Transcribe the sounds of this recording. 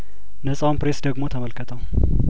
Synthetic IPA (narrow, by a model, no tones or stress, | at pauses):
nɐt͡sʼawmpɾesd̪ɐɡmo̞t̪ʰɐmɐlkʰət̪ʰɐw